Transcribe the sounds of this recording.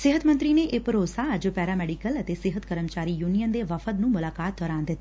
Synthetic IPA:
sɪɦət̪mənt̪ɾineʔepəɾoːsaəd͡ʒopɛːɾaːmɛːɖikələt̪esɪɦət̪kəɾəmt͡ʃaːɾiːjuːnijənd̪eʋəfʰət̪nũːmʊlaːkaːt̪̚d̪ɔːɾãːnd̪ɪt̪ː

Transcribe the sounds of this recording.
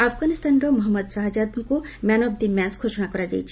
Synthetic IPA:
apʰɡanist̪anɾɔmɔɦɔmːəd̪saɦad͡ʒad̪ku | manɔb̚d̪imɛsɡʰʱoʃɔnakɔɾad͡ʒajt͡ʃʰi̥

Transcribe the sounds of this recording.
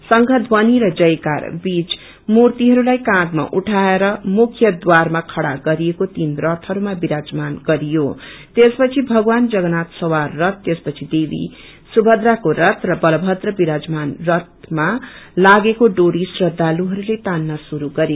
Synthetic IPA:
sʌŋɡʱʌt̪ʰbʌniɾʌd͡zʌjka̰rbit͡s | murt̪iɦʌɾulajkãt̪ma̰ʔuʈʰaeɾʌmukʰjʌd̪warmakʰʌɽaɡʌɾijekot̪inrʌt̪ʰɦʌɾumabiɾad͡zmanɡʌɾijot̪espʌt͡sʰibʱʌɡwand͡zʌɡʌnat̪sʌwarːʌt̪ːespʌt͡sʰid̪ebḭ | subʱʌd̪rakoɾʌt̪ʰrʌbʌlʌbʱʌt̪rʌbiɾad͡zmanrʌt̪̚malaɡekoɖoɾisrʌd̪ʱːaluɦʌɾulet̪anːasuɾuɡʌɾeo

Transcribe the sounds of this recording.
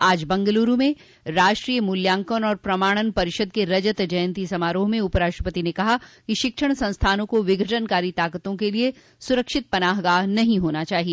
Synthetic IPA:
aːd͡ʒbɐ̃ŋɡəluːɾumẽ | ɾaːʃʈɾijəmʊljãːŋkonɔːɾpɾɐmaːɽ̃ənpɐɾɪʃəd̪̚keɾɐd͡ʒət̪d͡ʒɐjə̃nt̪isɐmaːɾoːɦmẽupɾaːʃʈɾəpət̪inekɐɦakiʃɪkʃəɽ̃sɐ̃nst̪ʰaːnõkoʋɪɡʱəʈənkaːɾit̪aːkət̪õkelie | sʊɾəkʃɪt̪̚pɐnaːɦɡaːɦnɐɦĩɦoːnat͡ʃaːɦie

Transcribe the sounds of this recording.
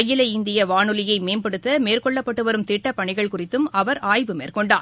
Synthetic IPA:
ɐjːɪlɐɪnd̪ɪjɐʋaːnɯlɪjɐɪmeːnpɐɽɯt̪ːɐmeːrkɔɭːɐpːɐʈːɯʋɐɾɯmt̪ɪʈːɐpːɐɳɪɣɐɭkʊrɪt̪ːɯmɐʋɐɾaːjʋɯmeːrkɔɳɖaː

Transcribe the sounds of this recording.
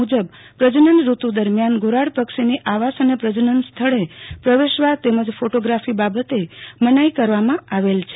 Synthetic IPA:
ud͡ʒəb | pɾəd͡ʒənənɾut̪ud̪əɾmjanɡoɾaɽpəkʃiniʔaʋasənepɾəd͡ʒənənst̪ʰəɭepɾəʋeʃʋat̪eməd͡ʒfoʈoɡɾafibabət̪emənaikəɾʋamãaʋelt͡ʃʰ

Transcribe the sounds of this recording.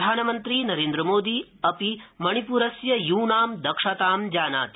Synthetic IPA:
d̪ʱaːnɐmɐnt̪ɾiːnɐɾeːnd̪ɾɐmoːd̪iɐpimɐɳ̃ipuːɾɐsjɐjuːnaːmd̪ɐkʂat̪aːmd͡ʒaːna̰ːt̪i

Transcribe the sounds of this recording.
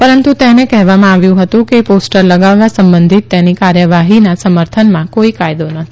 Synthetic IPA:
pəɾənt̪ut̪enekɛɦʋamãaʋjũɦət̪ũkeposʈəɾləɡaʋːasəmbənd̪ʱit̪ːenikaɾjəʋaɦinasəməɾt̪ʰənmãkoikajd̪onət̪ʰi̥

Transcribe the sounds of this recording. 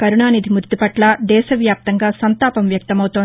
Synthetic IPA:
kɐɾuɳaːnid̪ʱimuɾt̪ipɐʈlɐd̪ɛːʃɐʋjaːp̚t̪ɐŋɡaːsɐnt̪aːpɐmʋjɐk̚t̪ɐmɐwut̪oː

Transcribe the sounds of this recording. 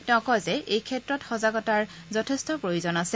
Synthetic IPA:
tɛʊ̃kɔjzɛejkʰɛtɹɔtxɔzaɡɔtaɹ | zɔtʰɛstɔpɹojozɔnasɛ

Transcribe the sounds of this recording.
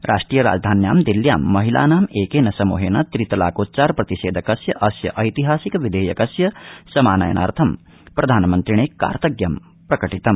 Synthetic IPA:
ɾʔa̰ːʂʈɾiːjɐɾa̰ːd͡ʒd̪ʱaːnja̰ːmd̪ilja̰ːmːɐɦila̰ːnaːmeːkeːnɐsɐmṵːɦeːnɐt̪ɾit̪ɐla̰ːkoːt̪̚t͡ʃaːɾpɾɐt̪iʃeːd̪ʱɐkɐsjɐʔɐsjɐ̰ʔɐjt̪iɦaːsikʋid̪ʱeːjɐkɐsjɐsɐmaːnɐ̰jɐ̰nʔa̰ːɾt̪ʰɐm | pɾɐd̪ʱaːnmɐnt̪ɾiɳ̃eːkːa̰ːɾt̪ɐɡjɐm | pɾɐkɐʈit̪ɐm

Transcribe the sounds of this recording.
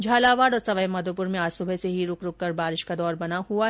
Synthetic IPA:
d͡ʒʱaːlaːʋaːɽɔːɾsɐʋaemɐd̪opʊɾmẽaːd͡ʒsʊbʱeseɦiɾʊkɾʊkːɐɾbaːɾɪʃkad̪ɔːɾbɐnahua

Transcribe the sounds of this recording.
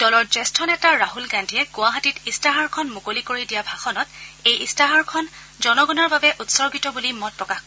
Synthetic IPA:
d̥ɔlɔɹzɛstʰɔnɛtaɹaɦulɡandʱiɛɡʊaɦatitistaɦaɹkʰɔnmukolikoɹidijabʱaxɔnɔtejʔistaɦaɹkʰɔn | zɔnɔɡɔnɔɹbabɛʔutsɔɹɡitɔbulimɔt̚pɹɔkaxk

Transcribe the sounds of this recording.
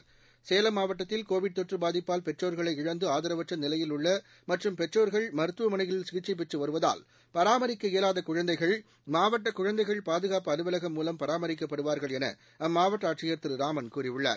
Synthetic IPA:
seːlɐmːaːʋɐʈːɐt̪ːɪlkoːʋɪɖ̚t̪ɔʈrɯbaːðɪpːaːlpɛʈːroːɾɣɐɭɐɪɪɻɐnd̪ɯaːðɐɾɐʋɐʈrɐnɪlɐjɪlʊɭːɐ | mɐʈrɯmpɛʈroːɾɣɐɭmɐɾɯt̪ːɯʋɐmɐnɐɪɣɐɭɪlsɪɣɪʈt͡ʃːɐɪp̬ːɛʈrɯʋɐɾɯʋɐða̰ːl | pɐɾaːmɐɾɪkːɐɪjɐlaːðɐkʊɻɐnd̪ɐɪɣɐɭ | maːʋɐʈːɐkʊɻɐnd̪ɐɪɣɐɭpaːðɯɣaːpɯɐðɯʋɐlɐɣɐmːuːlɐmpɐɾaːmɐɾɪkːɐpːɐɽɯʋaːɾɣɐɭɛnɐ̰ | ɐmːaːʋɐʈːɐaːʈʂɪjɐɾt̪ɯɾɾaːmɐnkuːɾɪʋɯɭːa̰ːɾ

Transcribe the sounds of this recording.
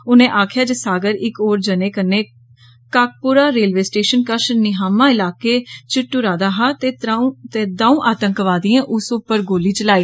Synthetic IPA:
ʊnẽːʔaːkʰjaːd͡ʒəsaːɡəɾɪkoːɾd͡ʒənẽːkənːeː | kaːk̚pʊɾaːɾeːlʋeːsʈeːʃənkəʃnɪɦaːmãːɪlaːkeːt͡ʃɪʈːuːɾaːd̪aːɦaːt̪et̪eːd̪aːũːʔaːt̪əŋkʋaːd̪iãːʔʊsʊpːəɾɡoːliːt͡ʃəlaːiː

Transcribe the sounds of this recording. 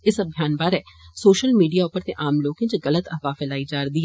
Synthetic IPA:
ɪsəbʱjaːnbaːɾɛːsoːʃəlmiːɖijaʊpəɾt̪eʔaːmloːkẽt͡ʃəɣələt̪əɦʋaːfɪlaːid͡ʒaːɾd̪iːɦɛː

